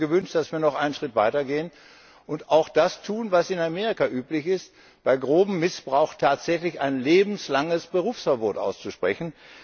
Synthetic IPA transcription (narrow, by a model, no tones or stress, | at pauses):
ɡəvʏnʃt̚d̥asv̥iːɐnɔχʔaɪnənʃʁ̥ɪtv̥aɪtɐɡeːən | ʔʊntaʊxd̥astʰuːnvasɪnameːʁikaʔyːplɪçɪst | b̥aɪɡʁoːbm̩ːɪsb̥ʁaʊxtʰaːtz̥ɛçlɪçaɪnleːbm̩slaŋəsb̥əʁuːfsfɛɐboːtʔa̰ʊst͡suʃpʁ̥ɛçn̩